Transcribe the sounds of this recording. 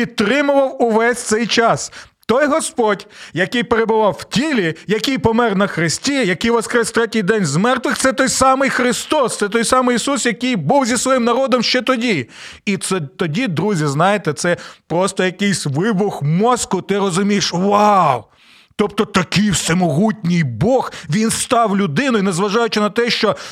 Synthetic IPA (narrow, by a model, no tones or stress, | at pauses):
pit̪ːɾɪmʊʋɐwʊʋɛsʲt̪sɛjt͡ʃɑst̪ɔjɦɔspɔdʲjɐkɪjpeɾebʊʋɑwwtʲilʲijɐkɪjpɔmɛrnɐxɾɪsʲtʲijɐkijʋɔskɾɛsʲt̪ɾɛtʲijd̪ɛnʲzmɛrt̪ʋɪxt̪sɛt̪ɔjsɑmɪjxɾɪst̪ɔst̪sɛt̪ɔjsɑmɪjisusjɐkɪjbuwzʲisʋɔjimnɐɾɔd̪ɔmʃt͡ʃɛt̪ɔdʲiit̪sɛt̪ɔdʲid̪ɾuzʲiznɑjet̪ɛt̪sɛpɾɔst̪ɔjɐkɪjsʲʋɪbʊxmɔskʊt̪ɪrɔzʊmʲijʃʋaw | t̪ɔp̚t̪ɔt̪ɐkɪjwsʲemɔɦutʲnʲijbɔxʋʲinst̪ɑwlʲʊd̪ɪnʊjnɐzʋɐʒɑjʊt͡ʃɪnɐt̪ɛʃt͡ʃɔ